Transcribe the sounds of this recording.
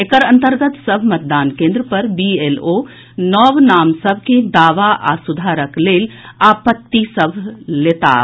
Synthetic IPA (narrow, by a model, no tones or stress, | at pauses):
ekəɾə̃nt̪əɾɡət̪səbʱmɐt̪̚d̪aːnkẽːnd̪ɾəpɐɾbielo | nɔʋnaːmsəbʱked̪aːʋaʔa̰sʊd̪ʱaːɾəkleːlaːpət̪ːisəbʱleːt̪a̰ː